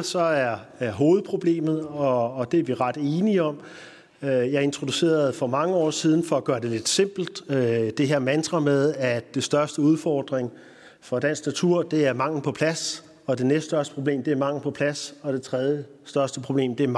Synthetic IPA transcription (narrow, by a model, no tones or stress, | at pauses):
sɒ̽æɐɦo̝ːð̞̩ˠpʰʁo̝b̥le̝̰ːmð̞̩ˠɒ̽ːd̥e̝æɐʋiʁɑ̈d̥e̝ːniɒ̽m | øjɑ̈ɪe̝nt͡sʰʁo̝d̥use̝̰ːɐð̩ˠfɒ̽mɑ̈ŋəɒ̰ːsið̞ˠn̩fɒ̽æɡ̥ɶːɐd̥e̝le̝d̥se̝m̰b̥l̩d̥d̥e̝ɦeɐmænd̥ʁɑmeðˠæd̥e̝sd̥ɶɐsd̥əuð̞ˠfɒːd̥ʁeŋ | fɒ̽d̥æn̰sɡ̥næt͡sʰuɐ̰d̥e̝æɐmɑ̈ŋ̰n̩pʰɒ̽pʰlæs | ɒ̽d̥e̝nesd̥sd̥ɶɐsd̥ə̥pʰʁo̝b̥le̝̰ːmd̥e̝æɐmɑ̈ŋ̰ln̩pʰɒ̽pʰlæsɒ̽d̥e̝t͡sʰʁɛð̞ˠjə | sd̥ɶɐsd̥əpʰʁo̝b̥le̝̰ːmd̥e̝æɐ